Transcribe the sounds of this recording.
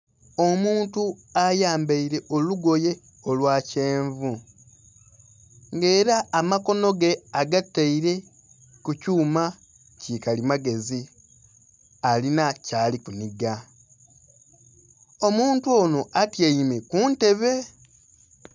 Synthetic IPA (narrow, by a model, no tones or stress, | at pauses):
omuːntuajaːmbeiɾe̞ʔo̞luɡo̞je̞ | o̞lwaːce̞ːɱvu | ŋɡe̞ːɾaːmako̞no̞ɡe̞aɡatːaiɾe̞ | kucuːma | cikalimaɡe̞zi | alinacaːlikuniɡa | o̞muːntuoːno̞ʔatjeimekunte̞βe̞